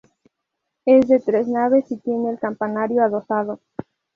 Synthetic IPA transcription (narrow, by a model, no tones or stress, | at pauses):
e̞zðe̞t̪ɾe̞snaβe̞sit̪je̞neːlkampanaɾjo̞aðo̞sað̞o